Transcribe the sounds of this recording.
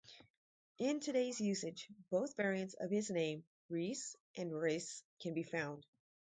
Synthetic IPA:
ʔɪ̃ntʰɨɾeɪzjʉsɨd͡ʒb̥oʊθvɛɹiɨ̃ntsʌ̰v̥ɨznẽɪ̃m | ɹis | ʔɨ̃nɹeɪskʰɨ̃nbifãʊ̃nd̥

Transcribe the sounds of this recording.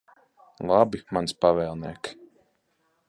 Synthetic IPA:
lˠabimanspavɛːlˠniɛk

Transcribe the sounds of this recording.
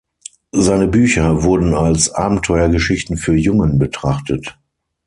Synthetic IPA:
zaɪnəbyːçɐvʊɐdn̩alsʔa̰ːbm̩tʰɔʏɐɡəʃɪçtn̩fyːɐjʊŋənbətʁ̥aχtət

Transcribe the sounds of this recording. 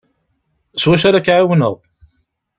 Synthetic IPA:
swæʃ̬aɾakːʕawənə̰ðˤ

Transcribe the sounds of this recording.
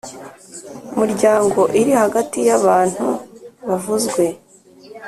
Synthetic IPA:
miɾɟaːŋɡo̞ʔiɾihaɡatijaβaːn̥huβavuzɡwe̞

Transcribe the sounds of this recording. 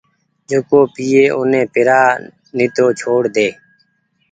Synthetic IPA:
d͡ʒokoːpiːeːʔʊnẽːpɪɾaː | nɪt̪oːt͡ʃʰoːɽd̪eː

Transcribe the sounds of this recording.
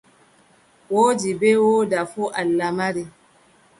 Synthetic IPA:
wod͡ʒibewodafuʔalːamaɾi

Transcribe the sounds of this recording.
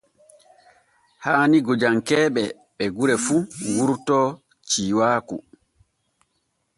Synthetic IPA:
haːniɡod͡ʒaŋkɛːɓɛ | ɓɛɡuɾɛfuwuɾtɔ | t͡ʃiːwaːku

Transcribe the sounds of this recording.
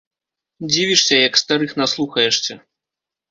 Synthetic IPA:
d͡zʲivʲiʂsʲɐjɐkst̪aɾɨxnaslˠuxɐjɛʂsʲɐ

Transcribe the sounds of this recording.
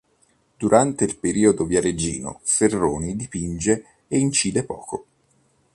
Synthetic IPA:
d̪̥uɾʔant̪eilpeɾiːod̪ovjaɾed͡ʒḭːno̰ferːoːnid̪ipind͡ʒeː | int͡ʃiːd̪epɔ̰ːko

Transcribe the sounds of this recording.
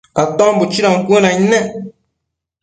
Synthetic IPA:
kat̪ɔ̃mbut͡ʃiɾaŋ̩kunãɲnɛ̃

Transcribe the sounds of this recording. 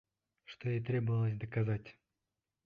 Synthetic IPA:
ʂt̪ojejt̪ɾʲebəvəlˠəsʲd̪əkazatʲ

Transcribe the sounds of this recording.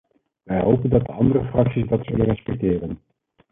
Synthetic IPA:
ʋɛjɦowpəndɑt̚dəɑndərəfrɑksizdɑtsɵlənrɛspɛk̚tɪːrən

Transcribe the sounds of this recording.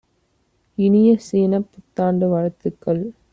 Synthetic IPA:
ɪnɪjɐsiːnɐpːʊt̪ːaːɳɖɯʋɐɻɐt̪ːɯkːɐɭ

